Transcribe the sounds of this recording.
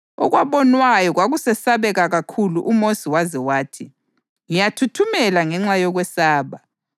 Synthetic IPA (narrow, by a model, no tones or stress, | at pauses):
ɔ̰ɣwaβɔnwajɔɣwaɣusɛsaβɛɣaɣakʰuluʔumosiwazɛwaːtʰi | ŋijatʰutʰumɛlaŋɛŋ͡ǁajɔɣwɛsaːβa